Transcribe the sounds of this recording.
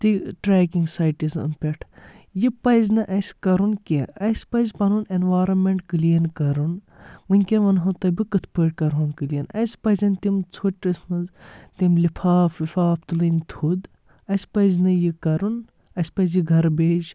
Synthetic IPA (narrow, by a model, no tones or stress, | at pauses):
t̪iʈɾeːkiŋɡsaːjʈizɐ̰mpʲeʈʰ | jipɐjzʲnɨʔɐsʲkɐɾunkʲeɐsʲpɐjzʲpɐnunenʋaːɾɐnmeɳʈkɨlijɐnkɐɾun | ʋɨnʲkʲeʋɐnɦɐt̪ɐbikɨt̪ʰpɨʈ̚kɐɾɦoːnkɨlijɐnɐ̰jsʲpɐzʲɐnʲt̪imt͡sʰoʈːɐsʲmɐzt̪imlipʰaːpʰlipʰaːp̚ʰt̪ulɨnʲt̪ʰud̪ | ɐsʲpɐjzʲnɨjikɐɾun | ɐsʲpɐjzjiɡʱɐɾbeːd͡ʒ